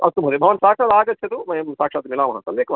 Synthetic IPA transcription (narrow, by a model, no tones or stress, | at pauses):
ɐ̰st̪ːumɦɐd̪ebʱɐʋɐnsaːkʂaːt̪aːɡɐt͡ʃːʰɐd̪umɐjɐmsaːkʂaːt̪milaːmɐɦɐ̰̃nt̪ɐlʋeːkɐʋa